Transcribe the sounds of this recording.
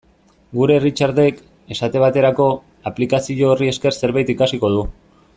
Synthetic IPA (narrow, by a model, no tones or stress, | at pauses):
ɡuɾe̞rit͡ʃaɾðe̞k | e̞sat̪e̞β̞at̪e̞ɾako̞ | aplikasiʎoːrie̞ske̞ɾse̞ɾβajt̪ikasiko̞ð̞u